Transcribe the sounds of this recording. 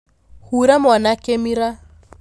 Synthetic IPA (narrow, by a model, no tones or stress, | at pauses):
huɾamanakemiɾa